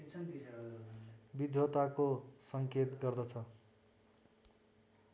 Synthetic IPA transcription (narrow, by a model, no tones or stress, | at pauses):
bid̪ʱjot̪akosʌŋket̪ɡʌrd̪ʌt͡sʰʌ